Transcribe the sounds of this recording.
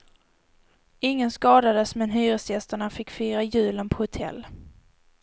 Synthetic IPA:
ɪŋːənskɑːd̪ad̪əsmɛnɦyːɾəsjɛst̪əɳafɪkːfyːɾajʉ̟ːlənpʰɔhʊt̪ʰɛ̰lː

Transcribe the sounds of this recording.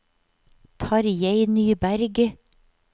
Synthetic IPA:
t̪ʰɑːɾjeɪnyːbæɾɡ

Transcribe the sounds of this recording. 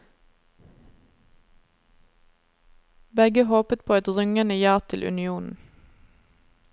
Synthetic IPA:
bɛɡəhoːpət̪̚pʰoːɛt̪ʁʏŋənəjɑːʁt̪ʰɪlʔʉ̰nɪuːnn̩

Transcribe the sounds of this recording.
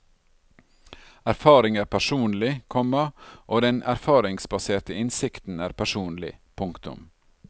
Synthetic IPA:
æɾfɑːɾɪŋæːɾpʰæʂuːnlɪkʰɔmɑʔoːd̪ɛnæ̰ɾfɑːɾɪŋsbɑseːtəɪnsɪkt̪n̩æːɾpʰæʂuːnlɪ̰pʰʊŋkt̪ʊ̰m

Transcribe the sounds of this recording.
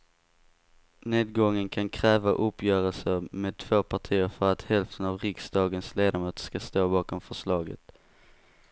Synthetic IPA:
neːd̪̚ɡɔŋːənkʰankʰɾɛːvaʔɵpːjœːɾəlsəɾmeːd̪̚t̪ʰv̥oːpʰaʈʰiːəɾfœɾat̪hɛlft̪ʰənavɾɪksd̪ɑːɡənsleːd̪amuːt̪skast̪oːbɑːkɔmfœʂlɑːɡə̰t̪

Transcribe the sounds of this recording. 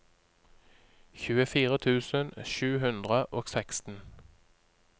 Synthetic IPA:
çʉːəfiːʁət̪ʰʉːsənʃʉːhʉnd̪ʁəʔoːɡ̥sɛkst̪n̩

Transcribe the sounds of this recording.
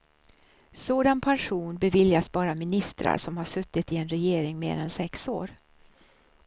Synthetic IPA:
soːd̪anpʰanɧuːnbɛvɪljasbɑːɾamɪnɪst̪ɾa̰ɾʂɔmhaʂɵt̪ːɪt̪ɪɛnɾɛjeːɾɪŋmḛːɾɛ̰nsɛkso̰ːɾ

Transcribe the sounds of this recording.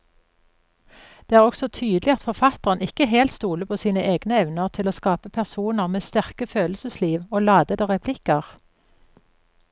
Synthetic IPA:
d̪̥eːæːʁɔɡsɔt̪ʰyːd̪lɪɑt̪fɔʁfɑt̪əʁənɪkəɦeːlt̪st̪uːləpʰoːsiːnəʔeːɡnəɛʋnəʁt̪ʰɪloːskɑːpəpʰæʁsuːnəʁmeːst̪æʁkəføːlsəsliːʋoːlɑːd̪əd̪əʁɛpʰlɪkəʁ

